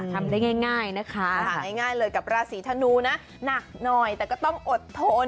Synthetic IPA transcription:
t̪ʰa˧mdaː˥˩jŋaː˥˩jŋaː˥˩jna˦˥kʰa˦˥a˩aː˥˩jŋaː˥˩jlɤː˧jka˨˩p̚ɾaː˧siː˨˩˦t̪ʰa˧nuː˧na˦˥ | na˨˩k̚nɔ˨˩jt̪ɛː˨˩kɔː˥˩t̪ɔ˥˩ŋʔo˨˩t̪ʰːo˧n

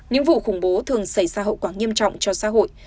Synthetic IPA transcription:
ɲɨ̰˧˥ŋvṵ˧˨xʊ˧˩ŋ͡mɓo˨˦t̪ʰɨ˨˩əŋsa˧˩jzaː˧ɦə̰˧˨wkwaː˧˩ŋi˧əmt͡ɕɔ̰˧˨wŋ͡mt͡ɕɔ˧sa̰ː˧˥ɦo̰˧˨j

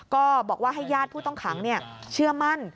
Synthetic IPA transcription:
kɔː˥˩bɔː˨˩k̚waː˥˩ɦa˥˩jːaː˥˩t̪̚pʰuː˥˩t̪ɔ˥˩ŋkʰaː˩˦ŋni˥˩ɐt͡ɕʰɯ˥˩ɐma˥˩n

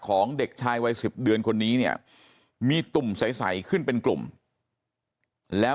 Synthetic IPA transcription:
kʰɔː˩˦ŋde˨˩k̚t͡ɕʰaː˧jwa˧jsi˨˩p̚dɯ˧ənkʰo˧nːiː˦˥ni˥˩ə | miː˧t̪u˨˩msa˨˩˦jsa̰˩˦jkʰɯ˥˩npe˧nklṵ˨˩m | lɛː˦˥

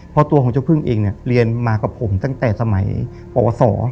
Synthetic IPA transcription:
pʰɔ˦˥t̪u˧kɔː˩˦ŋt͡ɕa˥˧˩pʰɯ˥˩ŋʔeː˧ŋni˧˩ɐɾi˧ənmaː˧ka˨˩pʰːo˩˦mt̪a˥˩ŋt̪ɛː˨˩sa˧ma˩˦j | pɔ̰ː˨˩wɔ˧sɔː˩˦

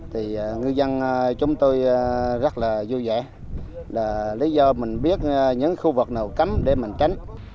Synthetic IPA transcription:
t̪ʰi˨˩˨ŋɨ˧jzə˧n˧t͡ɕʊ˨˦ŋ͡mt̪o˧jzə˦˥t̚laː˨˩zu˧zɛ̰˧˩˦ | laː˨˩li˨˦zɔ˧mï˨˩ŋ̟ɓi˦˥ət̚ɲɨ̰˧˥ŋxu˧vɨ˨˩k̚naː˨˩wka˨˦mɗe˧˩mï˨˩ŋ̟t͡ɕa˨˦jŋ̟

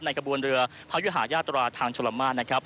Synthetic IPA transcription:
p̚na˧jkʰa˧bu˧ənɾɯ˧ɐpʰa˦˥ju˦˥ɦaː˩˦jaː˥˩t̪ːɾaː˧t̪ʰaː˧ŋt͡ɕʰo˧la˨˧˦maː˥˩nna˦˥kʰɾa˦˥p̚

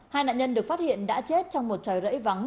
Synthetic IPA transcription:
haː˧jna̰ː˧˨nɲə˧nɗɨ˨˩ək̚fa˦˥t̚hḭ˧˨ənɗa̰ː˧˥t͡ɕe˦˥t̚t͡ɕɔ˧wŋ͡mmo˨˩t̚t͡ɕɔː˨˩jzə̰˧˥jva˨˦ŋ

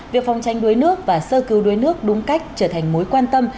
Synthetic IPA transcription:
vi˨˩ək̚fa˨˩wŋ͡mt͡ɕa˨˩jŋ̟ɗu˨əjnɨ˦˥ək̚vaː˨˩səː˧kɨ˨˧˦wɗu˨əjnɨ˦˥ək̚ɗʊ˨˦ŋ͡mka˦˥jk̟̚t͡ɕəː˧˩t̪ʰa˨˩jŋ̟mo˨˦jkwaː˧nt̪ə˧m

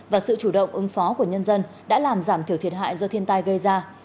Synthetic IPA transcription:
vaː˨˩sɨ̰˧˨t͡ɕu˧˩ɗə̰˧˨wŋ͡mʔɨ˨˦ŋfɔ˨˦ku˧˩əɲə˧nzə˧nɗa̰ː˧˥laː˨˩mzaː˧˩mt̪ʰi˨˩ət̪ʰi˨˩ət̚ɦa̰ː˧˨jzɔ˧t̪ʰi˧ənt̪a˧jɣə˧jzaː˧

